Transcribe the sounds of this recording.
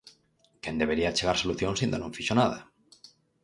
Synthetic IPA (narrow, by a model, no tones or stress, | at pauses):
kend̪eβeɾiat͡ʃeɣ̞aɾsoluθjonsind̪onũɱfiʃonað̞a